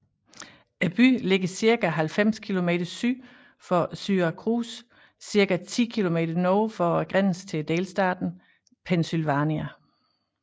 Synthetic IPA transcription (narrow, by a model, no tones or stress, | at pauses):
æb̥y̰le̝ɡ̥ɐsiɐɡ̥æɦælfem̰skʰilo̝me̝̰ːd̥ɐsy̰ː | fɒsyːɐkʰʁṵːsː | iɐɡ̥æt͡sʰḭːkʰilo̝me̝̰ːd̥ɐnɔːfɒæɡ̥ʁan̰st͡sʰe̝ld̥eːlsd̥ɑ̰̈d̥n̩ | pʰensylʋæniæ